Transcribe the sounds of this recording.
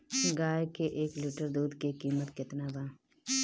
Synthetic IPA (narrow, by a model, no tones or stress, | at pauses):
ɡaːekeʔeːklɪʈəɾd̪uːd̪kikiːmət̪kɪt̪naːbãː